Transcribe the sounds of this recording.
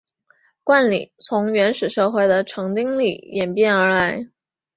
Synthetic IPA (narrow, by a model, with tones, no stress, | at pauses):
kwa˥˩nli˨˩˦t͡sʰʊ˧˥ŋɥɛ˧˥nʂɻ̩˨˩ʂɤ˥˧xwe˥˩ɪd̪ə˩ʈ͡ʂʰɤ˧˥ŋt̪i˥ŋlḭ˨˩˦jɛ˨˩npjɛ˥˩nə˞˧˥la˧˥ɪ